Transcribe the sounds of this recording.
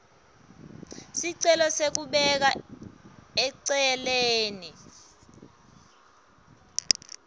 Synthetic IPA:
siǀɛlɔsek̬uɓɛk̬a | ɛǀɛɛleːni

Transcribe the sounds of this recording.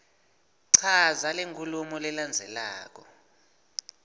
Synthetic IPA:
ǀʰazaleŋkʰulumɔlɛland͡zʱɛla̰ːk̬ɔ

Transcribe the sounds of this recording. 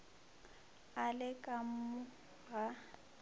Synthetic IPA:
alɪkʼam̩mʊ | ɣa

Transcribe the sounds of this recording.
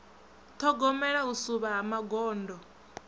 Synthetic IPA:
t̪ʰɔɡɔmɛɺausuβaːmaɡɔːndɔ

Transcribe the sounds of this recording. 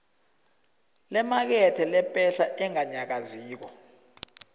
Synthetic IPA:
lɛmak̬ɛtʰɛlɛpʼɛɬaʔɛŋaɲak̬aziːk̬ɔ

